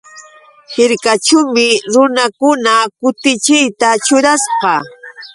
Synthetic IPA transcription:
hɪɾkat͡ʃʊmɪɾʊnakʊnakʊt̪ɪt͡ʃɪjt̪at͡ʃʊɾasqɑ

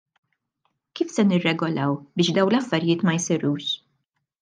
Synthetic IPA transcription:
kiːfsɛnɪrːɛɡɔlɐwbɪːʃd̪ɐwnlɐfːɐɾjɪːt̪mɐjsɪɾuːʃ

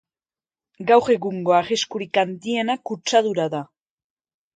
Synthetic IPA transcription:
ɡawre̞ɣuŋɡo̞aɣeskuɾikand̪ie̞nakut͡ʃaðuɾaða

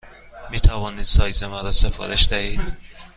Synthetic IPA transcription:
miːt̪ʰævɒːniːd̪̥sɒːjzemɒːɾɒːsefɒ̰ːɾeʃd̪æhiːd̪̥

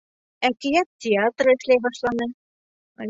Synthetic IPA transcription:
ækɘ̆jæt̪ʲːɪat̪rɤɘ̆ʃlæjbɑʃlˠɑnɤ

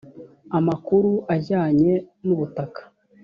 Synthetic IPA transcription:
amakuɾuʔaɟaːɲe̞nuβutakḁ

